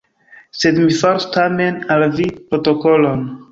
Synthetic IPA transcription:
se̞dmifaɾustame̞nalvipɾo̞to̞ko̞lo̞n

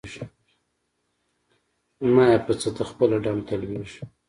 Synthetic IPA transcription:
ʒ | majapət͡sət̪axpəlaɖamt̪alwiʒ

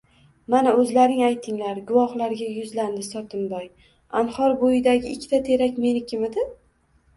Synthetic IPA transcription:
manaɵzlaɾɪŋajt̪ʰːɪŋlaɾɡʊvɒχlaɾɡʲajʊzland̪ɪsɒt̪ʰɪmbɒj | anhɒɾbojɪd̪aɡʲɪːkʲʰːt̪ʰat̪ʰe̞ɾakʲme̞nɪkʲʰɪmɪd̪ɪ

